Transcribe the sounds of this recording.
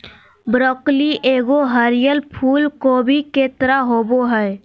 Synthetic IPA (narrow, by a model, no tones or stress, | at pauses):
bɾɔːkliʔeːɡoɦəɾɪjəlpʰuːlkoːbʱikeːt̪ɾaɦoːboɦɛː